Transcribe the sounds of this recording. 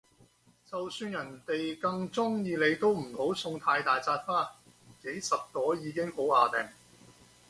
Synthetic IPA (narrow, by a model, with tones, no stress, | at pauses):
t͡sɐ˨wsyː˧njɐ˨˩nt̪e˨jkɐ˧ŋt͡sʊ˥ŋjiː˧le˨˧jt̪o˥wm̩˨˩ho˨˥wsʊ˧ŋt̪ʰaː˧jt̪aː˨jt͡saː˧t̚faː˥ | ke˨˥jsɐ˨p̚t̪ɔː˨˥jiː˨˧kɪ˥ŋho˨˥waː˨˧t̪ɛː˨˩ŋ